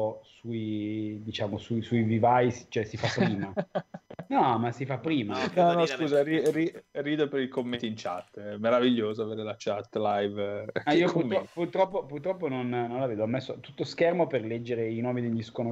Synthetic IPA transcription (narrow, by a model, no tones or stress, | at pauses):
osuid̪it͡ʃaːmosuisuivivajst͡ʃoɛsifapːɾiːma | nɔmasifapːɾiːmanɔnɔskuːzariririːd̪epeɾilkomːet̪int͡ʃa̰t̪ːɛmeɾaviʎːoːzoaveːɾelat͡ʃat̪ːlajvaiopuɾɾɔpurt̪ɾɔpːopurt̪ɾɔpːononnõnlaveːd̪oɔmːesːot̪ut̪ːoskɛrmoperlɛd͡ʒːeɾeinɔːmid̪eʎːiskono